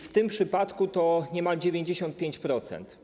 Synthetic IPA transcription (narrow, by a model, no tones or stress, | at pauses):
ft̪ɘmpʂɘpat̪kut̪ɔɲɛmald͡ʑevʲjeɲd͡ʑeɕɔnt̪̚pʲeɲt͡ɕpɾɔt̪sɛ̰nt̪